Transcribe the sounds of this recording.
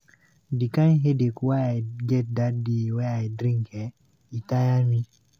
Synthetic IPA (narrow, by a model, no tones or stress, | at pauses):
dikanɦedekuwajaɡɛt̚dadiwajaidɾiŋkɛ | itajami